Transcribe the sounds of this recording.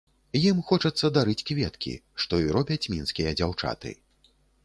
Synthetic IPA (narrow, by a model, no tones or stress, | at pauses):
jimxɔt͡ʂɐt̪sːɐd̪aɾɨt͡sʲkvʲɛt̪kʲḭʂt̪ɔiɾɔbʲɐt͡sʲmʲinskʲijɐd͡zʲawt͡ʂa̰t̪ɨ̰